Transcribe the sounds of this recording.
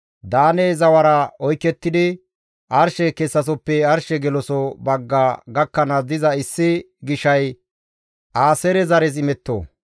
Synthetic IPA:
d̪aːneːzɐwɐɾɐɔjkːɛt̪ːɪd̪ɪ | ʔɐɾʃɛkɛsːɐs̬ɔpːɛɐɾʃɛɡɛlɔsɔbɐɡːaːɡɐkːɐnɐd̪ɪzɐɪsːɪ | ɡɪʃɐj | ʔaːsɛɾɛzɐɾɛzɪmɛt̪ːo̰ː

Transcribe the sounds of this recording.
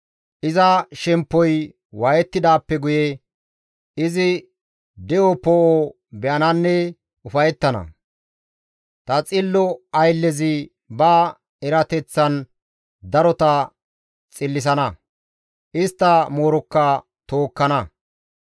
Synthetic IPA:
ʔɪzɐʃɛmpːɔj | wɐjɛt̪ːɪd̪aːpːɛɡʊjɛ | ɪzɪ | d̪ɛʔɔpɔʔo | bɛʔɐnɐnːɛ | ʊfɐjɛt̪ːɐnɐ̰ | t̪ɐt͡sʼɪlːɔɐjlːɛzɪ | bɐ | ɛɾɐt̪ɛt͡sːɐn | d̪ɐɾɔt̪ɐ | t͡sʼɪlːɪs̬ɐnɐ | ʔɪst̪ːɐmo̞ːɾɔkːɐ | t̪oːkːɐnɐ

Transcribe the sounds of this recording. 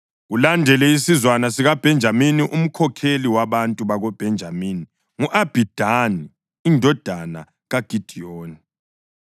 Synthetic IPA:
ɣulandʱɛlɛisizwanasiɣab̥ʱɛnd͡ʒʱaminiʔum̩kʰɔkʰeliwaβantʼuβaɣɔb̥ʱɛnd͡ʒʱamiːni | ŋuʔab̥ʱid̥ʱaniː | ndʱɔd̥ʱana̰ | ɣaɡ̥ʱid̥ʱioːni

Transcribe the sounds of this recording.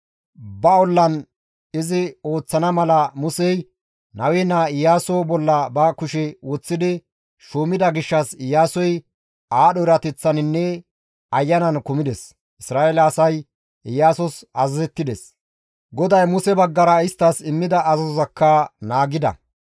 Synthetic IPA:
bɐɔlːɐn | ɪzɪo̞ːt͡sːɐnɐmɐlɐmʊsɛj | nɐwɛnaɪjːaːsɔbɔlːɐbɐkʊʃɛwɔt͡sːɪd̪ɪ | ʃuːmɪd̪ɐɡɪʃːɐsɪjːaːsɔj | aːɗɔɪɾɐt̪ɛt͡sːɐnɪnːɛ | ɐjːɐnɐnkʊmɪd̪ɛs | ʔɪsɾaːelɐːsɐj | ɪjːaːsɔsɐzɐzɛt̪ːɪd̪ɛs | ɡɔd̪ɐjmʊsɛbɐɡːɐɾɐɪst̪ːɐsɪmːɪd̪ɐɐzɐzɔzɐkːɐnaːɡɪd̪ɐ̰

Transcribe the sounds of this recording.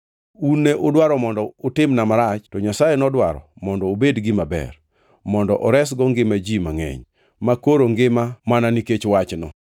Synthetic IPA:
unːeʔodwaɾɔmɔndɔotɪmnamaɾat͡ʃtɔɲasajenɔdwaɾɔ̰mɔndɔobedɡɪmabɛ̰r | mɔndɔʔɔɾɛs̬ɡɔŋɡɪmad͡ʒimaŋɛ̰ɲ | makoɾoŋɡɪmamananiket͡ʃwat͡ʃnɔ

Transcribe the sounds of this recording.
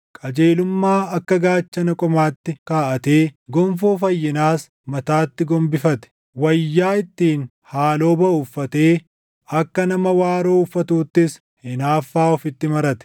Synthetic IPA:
kʼɐd͡ʒe̞ːlʊmːaːɐkːɐɡaːt͡ʃːɐnɐkʼɔmaːt̪ːɪkaːʔɐt̪eːɡɔmfoːfɐjːɪnaːs | mɐt̪aːt̪ːɪɡɔmbɪfɐt̪ɛ̥ | wɐjːaːɪt̪ːiːn | haːlo̞ːbɐʊfːɐt̪eː | ɐkːɐnɐmɐwaːɾoːʊfːɐt̪uːt̪ːɪs | hɪnaːfːaːɔfɪt̪ːɪmɐɾɐt̪ɛ̥

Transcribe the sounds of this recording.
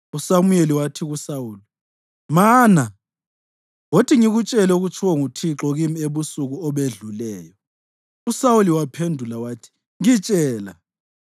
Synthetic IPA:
usamujeliwatʰiɣusawuːli | maːna | wotʰiŋiɣut͡ʃʼɛlɛuɣut͡ʃʰuwaŋutʰiǁɔɣimieβusuɣuɔβeɮulɛːjɔ | usawuliwapʰendʱulawaːtʰi̥ | ŋit͡ʃʼɛːla̰

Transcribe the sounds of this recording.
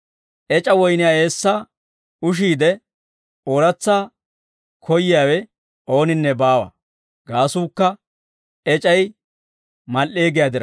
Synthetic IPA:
ʔɛt͡ʃʼɐwɔjnɪjaːe̞ːsːaː | ʊʃ̬iːd̪ɛ | oːɾɐt͡sːaː | kʰɔjɪjaːwɛ | o̞ːnɪnːɛbaːwɐ̰ | ɡ̥aːsuːkːɐ | ɛt͡ʃʼɐj | mɐlːe̞ːɡɪjaːd̪ɪɾɐ

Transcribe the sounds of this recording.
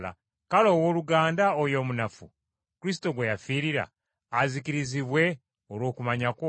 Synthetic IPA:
la̰ | kalo̞ːwo̞ːluɡaːndaojo̞ːmunafṵ | kuɾis̬to̞ɡwe̞jafiːɾiɾa̰ː | zikiɾiziβwe̞ | olwo̞ːkumaɲako

